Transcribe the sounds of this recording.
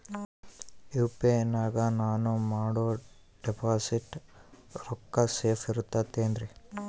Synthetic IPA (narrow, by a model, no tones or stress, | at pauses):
juːpeenːaːɡɐnaːnumaːɽoː | ɖepʰaːsiʈ | ɾɔkːɐseːpʰiɾut̪ːat̪ːeːnd̪ɾi